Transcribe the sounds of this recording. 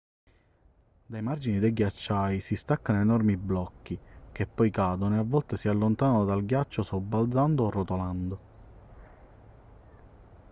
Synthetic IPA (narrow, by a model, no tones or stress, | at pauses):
d̪ajmard͡ʒinid̪ejɡjat͡ʃːajsist̪akːanoenɔrmiblɔkːikepːɔjkaːd̪onoeavːɔlt̪esialːont̪aːnanod̪alɡjat͡ʃːosobːald̪zand̪oːrːot̪oland̪o